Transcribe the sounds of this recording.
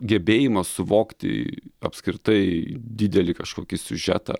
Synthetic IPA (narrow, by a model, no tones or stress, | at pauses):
ɡʲɛbʲeːjɪmɐssʊʋoːkt̪ʲɪ̰ɐ̰pskɾʲɪt̪ɐɪd̪ʲid̪ʲɛlʲɪkɐʃkoːkʲɪsʲʊʒʲæ̰ːt̪ɐ̰